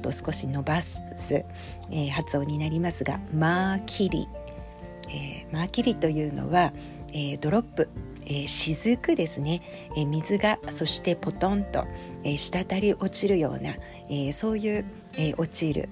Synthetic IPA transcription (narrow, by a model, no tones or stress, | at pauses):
t̪ːosɨ̥ko̞ɕino̞bas | sɨ | ehat͡sɨo̞ːɲ̟inaɾʲimasɨɡa̰maːkʲʰiɾʲḭ | emaːkʲiɾʲit̪o̞jɯ̟ːno̞̰βa | eːd̪o̞ɾo̞pːɯ̟ | eːɕizɨkɯ̟d̪e̞sɨne̞ | mʲizɨɡaso̞ɕi̥t̪e̞po̞t̪õ̞nt̪o̞̰eɕi̥t̪at̪aɾʲiʔo̞t͡ɕiɾɯ̟jo̞̰ːna̰ | eːso̞ːjɯ̟ː | eːʔo̞t͡ɕiɾɯ̰